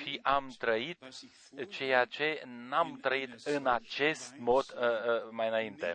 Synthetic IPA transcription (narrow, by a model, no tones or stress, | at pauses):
ʃiʔamt̪ɾəit̪ | t͡ʃe̞jat͡ʃe̞namt̪ɾəit̪ɨnat͡ʃe̞st̪mo̞t̪əmajɨnaint̪e̞̰